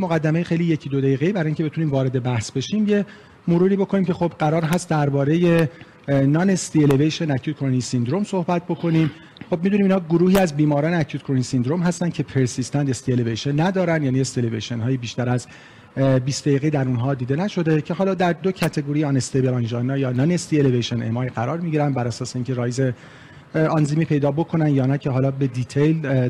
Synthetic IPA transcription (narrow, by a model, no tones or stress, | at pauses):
moɣæd̪ːæme̞jexe̞jliːje̞cʰid̪od̪æiːɣe̞jiːbæɾɒːiŋcʰebet̪ʰuniːmvɒːɾe̞d̪e̞bæhsbe̞ʃiːmje̞ | moɾuːɾiːbo̞kʰo̞niːmkcʰe̞xo̞bɢæɾɒːɾɦæst̪̚d̪æɾbɒːɾe̞je | nɒːnest̪ielevejʃenæcʰut̪kʰoɾonisind̪ɾo̞mso̞hbæt̪̚ʰbo̞kʰo̞niːm | χob̚mid̪uniːmiːnhɒːɡoɾuːhiːæzbiːmɒːɾɒːneæcʰut̪̚kʰoɾonisind̪ɾomɦæst̪ænd̪cʰe̞pʰe̞ɾsist̪ænd̪est̪ielevejʃenːæd̪ɒːɾænd̪jæːniːesd̪elevejʃenɦɒːjibiːʃt̪æɾæz | biːsd̪æiːɣed̪æɾunɦɒːd̪iːd̪enæʃo̞d̪e̞cʰe̞ɦɒːlɒːd̪æɾd̪o̞cʰæt̪ʰe̞ɡoɾijeɒnest̪ebelɑnʒɒnːɒjɒːnɒnest̪ielevejʃenemɒːjɡæɾɒːɾmiɟiɾænd̪bæɾæsɒːseiːŋcʰe̞ɾɒːjze | ɑnziːmiːpʰe̞jd̪ɒːbo̞kʰo̞nænd̪jɒːnæcʰeɦɒːlɒːbe̞d̪it̪ʰejl